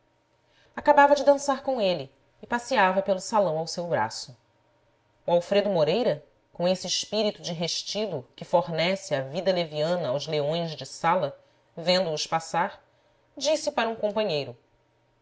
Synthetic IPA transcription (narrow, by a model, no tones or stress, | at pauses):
akabavɐd͡ʒɪd̪ɐ̃saɾkõw̃eliː | pasiavɐpelʊsalɐ̃w̃awsewbɾa̰sʊ | uawfɾed̪ʊmoɾejɾɐ | kõesɪːʃpiɾit̪ud͡ʒɪɦeʃt͡ʃid̪ukɪfoɾnɛsɪɐvid̪ɐleviɐ̃nɐːwzleõj̃zd͡ʒɪsalɐ | vẽnd̪ʊːʃpasaɾ | d͡ʒisɪpaɾɐũkõmpɐ̃ɲejɾʊ